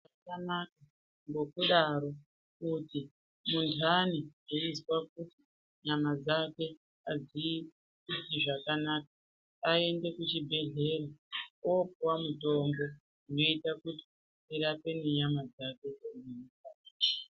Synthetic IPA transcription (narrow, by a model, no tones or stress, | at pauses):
akanaka | ŋɡo̞kuɗaɾo̞ | kuti | muntʰanieiswak̚uti | ɲamad͡zake̞ | azi | itiʐakanaːka | ae̞nde̞kut͡ʃibʱe̞ɮe̞raopuwamuto̞mbo̞ | doitakuti̥ | iɾape̞neɲamad͡zake̞eninikaːa